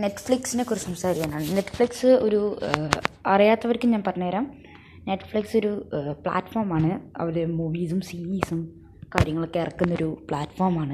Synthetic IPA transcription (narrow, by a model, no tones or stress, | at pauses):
ne̞ʈːfɭiksinekurisɐmsaːɾikʲːaːnaːɳɨne̞ʈːɨ̥fɭiksɨo̞ɾu | ɐrijaːt̪ːɐʋɐɾkʲːumɲaːnpɐrɐɲːeːɾaːm | ne̞ʈːɨ̥fɭiksoɾupɭa̰ːʈfoːrmaːɳɨɐ̰ʋilemuʋiːsumsiiːsum | kaːɾjɐŋːɐɭokːeirɐkːunːɐo̞ɾupɭaːʈfoːrmaːɳɨ